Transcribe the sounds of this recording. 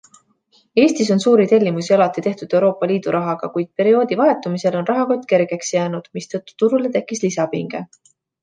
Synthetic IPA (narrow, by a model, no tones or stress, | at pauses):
e̞ːst̪iso̞nsuːɾit̪e̞lʲːimusiɑlɑt̪ːˑit̪e̞ht̪ud̪̥e̞wɾo̞ːpːˑɑliːd̪̥uɾʔɑɦɑɡ̥ɑkujd̪̥̚pe̞ɾio̞ːd̪ivɑe̞t̪ːˑumise̞lo̞nrʔɑɦɑko̞t̪ːke̞ɾɡ̥e̞ksjæːnud̪̥mist̪ɤ̞t̪ːu̥t̪uɾule̞t̪e̞kːˑislisɑpiŋɡ̥e̞